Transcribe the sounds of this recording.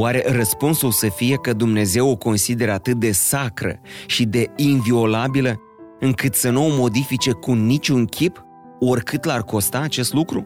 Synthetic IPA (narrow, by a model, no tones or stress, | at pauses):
waɾe̞rəspunsulsəfije̞kəd̪umne̞ze̞woko̞nsid̪e̞ɾəat̪ɨt̪̚d̪e̞sakɾə̰ʃid̪e̞invio̞labilə | ɨŋkɨt̪sənuomo̞d̪ifit͡ʃe̞kunit͡ʃʲuŋkʲʰip | o̞rkɨt̪larko̞st̪aːt͡ʃe̞st̪lukɾu